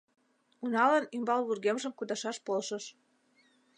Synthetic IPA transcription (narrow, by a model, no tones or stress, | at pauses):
unɑlɑnymbɑlβurɣemʒəmkud̪ɑʃɑʃpolʃə̆ʃ